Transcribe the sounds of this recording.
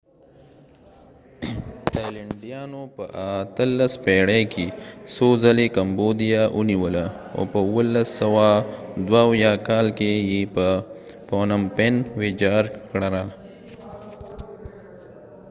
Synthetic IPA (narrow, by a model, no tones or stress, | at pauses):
t̪ajlaɳɖijɑnopəʔat̪əlːaspeɽekʰesozalekambod̪ijaʔuniwəla | o̰pəwəlːasawad̪wawjɑkɑlkejepə | ponampenwed͡ʒɑɾkɽaɾa